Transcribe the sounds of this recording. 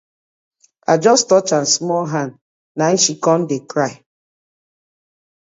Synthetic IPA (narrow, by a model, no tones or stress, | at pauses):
a̰d͡ʒɔstɔt͡ʃãnsmɔlɦan | naiʃikɔ̃n̩dekɾaɪ